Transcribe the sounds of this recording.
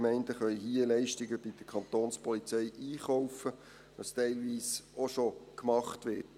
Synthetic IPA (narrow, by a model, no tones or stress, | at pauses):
mɛɪndəχœʏɦiəlɛɪʃtɪɡəb̥ɪd̥əkʰɑnt̪oːnspɔlit͡sɛɪʔiːχɔʊfə | ʋɑstɛɪlʋiːsoʃokmɑχtʋɪt